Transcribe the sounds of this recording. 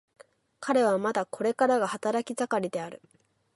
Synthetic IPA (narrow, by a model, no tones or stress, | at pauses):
kʰaɾe̞β̞amad̪akʰo̞ɾe̞kaɾaɡahat̪aɾakʲizakaɾʲid̪e̞aɾɯ̟